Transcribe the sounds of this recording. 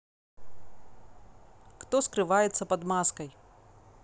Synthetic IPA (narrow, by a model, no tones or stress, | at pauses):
kt̪ɔskɾɨvajɛt̪sɐpɐd̪maskɐj